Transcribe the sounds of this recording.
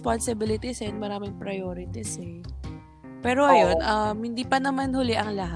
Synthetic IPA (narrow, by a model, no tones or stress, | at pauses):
ponsɪbɪlɪt̪ɪsɛɐnmɐɾaːmɪŋpɾɐjoːɾɪt̪ɪsɛ | pɛːɾoʔɐjo̞nʔɐmhɪnd̪iːpɐnɐmanhʊlɪʔɐŋlɐɦa